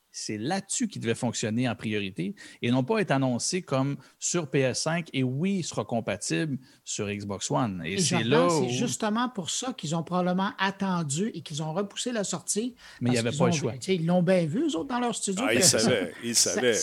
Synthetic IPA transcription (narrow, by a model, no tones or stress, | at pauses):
sɛlat̪sykʲid̪əvɛfɔ̃ksjɔneɑ̃pʁijɔʁit̪eenɔ̃pʌɛt̪eanɔ̃sekɔm | syʁpeɛsɛ̃kewisəʁɑkɔ̃pat̪ɪbl | syʁiɡzbɑkswanḛsɛlʌ̃sɛʒyst̪əmɑ̃puʁsʌkilzɔ̃pʁɔbabləmɑ̃ʔat̪ɑ̃d͡zyʔekʲilzɔ̃ʁəpu̥selasɔʁt̪i | mɛjavɛilzpʌl̃ʃwat͡sseilːɔ̃bjɛ̃vyøzot̪̚d̪ɑ̃lœːʁst̪yd͡zjosavɛilsa̰vɛ